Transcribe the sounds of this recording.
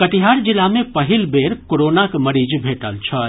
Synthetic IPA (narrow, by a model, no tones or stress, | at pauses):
kəʈiɦaɾd͡ʒilamẽpəɦilbeɾkoɾonakməɾid͡ʒbʱeʈəlt͡ʃʰə